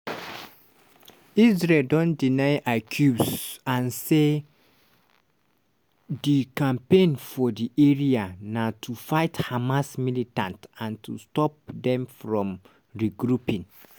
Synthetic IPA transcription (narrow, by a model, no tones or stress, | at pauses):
is̬ɹeldɔ̃ndinaɪʔakʰjubsãnse | dikãmpẽnfɔdiʔeɹianatʰufaɪthamasmilitãntãntʰustɔp̚dɛ̃mfɹɔ̃m | ɹiɡɹupĩn